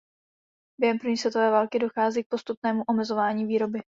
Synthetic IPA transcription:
b̥jɛɦɛmpɾr̩vɲiːsvjɛt̪o̞vɛːvaːlkɪdo̞xaːziːk̚po̞st̪upnɛːmuʔo̞mɛzo̞vaːɲiːviːɾo̞bɪ

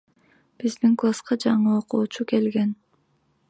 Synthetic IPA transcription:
b̥izd̪iŋklˠasqɑd͡ʒɑɴɯoquːt͡ʃuke̞lɡe̞n

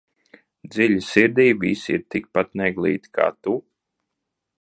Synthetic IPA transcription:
d̪zilʲisiɾd̪iːbḭsḭɾt̪ik̚pat̪nɛɡlˠḭːt̪i̥kʰa̰ːt̪u

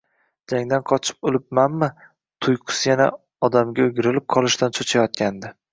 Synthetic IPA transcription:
d͡ʒaŋd̪anqʰɒt͡ʃʰɪ̥p̚olɪp̚manmɪ | t̪ʰʊjqʰɨ̥sjana̰ | ɒd̪amɡʲaʊɡʲɪɾɪlɪp̚qʰɒlˠɪʃt̪ant͡ʃʰot͡ʃʰajɒt̪̚kʲʰand̪ɪ

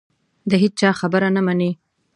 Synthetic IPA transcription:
d̪əɦed͡ʒ̚t͡ʃɑxabəɾanamane

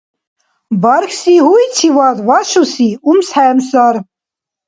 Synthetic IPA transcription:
baɾxsiɦujt͡sʰivad̪vaʃusiumsħɛmsaɾ

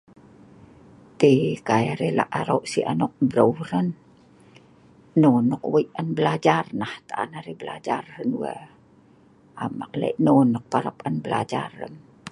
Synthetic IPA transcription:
t̪ekajaɾela̰ʔaɾowʔsiʔanoʔbɾəwɾən | nonəkwəiʔanbəlad͡ʒarnaht̪aʔa̰naɾebəla̰d͡ʒarhənuə̰ | ʔamakla̰iʔnonək̚paɾapanbəla̰d͡ʒa̰rə̰n

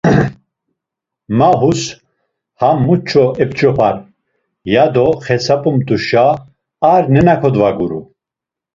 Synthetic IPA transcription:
maɦus | hamːut͡ʃʰɔɛpt͡ʃʼɔpʰaɾ | jad̪ɔχɛsapʼumt̪uʃa | aɾnɛnakʰɔd̪vaɡuɾu

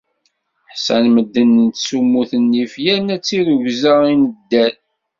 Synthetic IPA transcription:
ħsænməd̪ːənːənt̪sumːuθənːifjænæt͡sːiɾuʝzəinəd̪ːæn

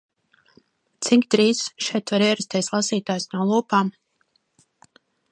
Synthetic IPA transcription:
t̪siŋkʲt̪ɾiːsʃɛjt̪vaɾiɛɾɛst̪ʲiɛslˠasiːt̪aːjsnulˠuːpaːm

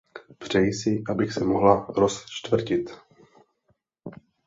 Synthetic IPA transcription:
pr̝̥ɛjsɪʔabɪxsɛmoɦlaɾost͡ʃt̪vr̩cɪt̪

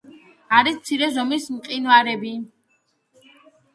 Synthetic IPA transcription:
aɾist̪sʰiɾɛzɔmismqʼinaɾɛbi

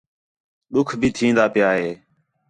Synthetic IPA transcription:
ɗ̪ʊkʰbʱiːt̪ʰĩːnd̪aːpɪjaːɦeː

